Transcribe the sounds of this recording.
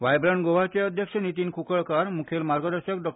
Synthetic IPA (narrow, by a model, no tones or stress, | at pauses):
ʋajbɾaɳɡobat͡ʃɔjɔd̪ʱjekʃɔnit̪inkʰukɔɭkaɾmukʰelmaɾɡɔd̪ɔsɔkɖɔk